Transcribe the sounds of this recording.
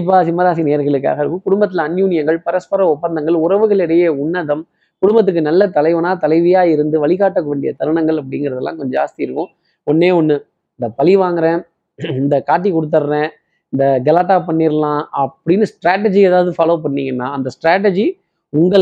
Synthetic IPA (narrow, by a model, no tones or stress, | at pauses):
ɪp̬ːaːsɪmːɐɾaːs̬ineːɾɣɐɭɯkːɯa̰ːɣɐɾɯkːɯkʊɽʊmbɐt̪ːɪlɐnjuːnɪjɐŋɡɐɭpɐɾɐspɐɾɐɔpːɐnd̪ɐŋɡɐɭʊɾɐʋɯɣɐɭɛɽɐjeːʊɳːɐðɐm | kʊɽʊmbɐt̪̬ːɯkːɯnɐlːɐt̪ɐlɐɪʋɐnaːt̪ɐlɐɪʋɪjaːɪɾɯnd̪ɯʋɐɭɪɣaːʈːɐkːɯʋeːɳɖɪjɐt̪ɐɾɯɳɐŋɡɐɭɐp̬ːɐɽɪŋɡɪɾɐðɐlːã̰ːkɔɲd͡ʒɐa̰ːst̪iɪɾɯkːʊ̃ | ɔnːeːɔnːɯ | ɪnd̪ɐpɐlɪʋaːŋɡɪɾɛ̃ | ɪnd̪ɐkaːʈ̬ːikɔɽɯt̪ːɐɾɾɛ̃ː | ɪnd̪ɐɡɐlaːʈːaːp̬ɐɳːiːɾɐlãːɐpːɐɽɪnːɯsʈɾaːʈ̬ːɛd͡ʒieːðaːʋðɯfaːloːpɐɳːiːŋɡɐnːãːɐnd̪ɐsʈɾaːʈ̬ːɛd͡ʒi | ʊŋɡɐɭ